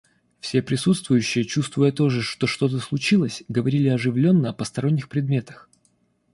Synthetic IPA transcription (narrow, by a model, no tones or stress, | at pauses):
fsʲe̞pɾʲɪsut̪st̪vʊjʉɕːɪjət͡ɕust̪vʊjət̪o̞ʐɨʂt̪o̞ʂt̪o̞t̪̬əslˠʊt͡ɕilˠəsʲɡəvɐɾʲilʲɪɐʐɨvlʲo̞nːəɐpəst̪ɐɾo̞nʲːɪxpɾʲɪd̪mʲe̞t̪ə̥x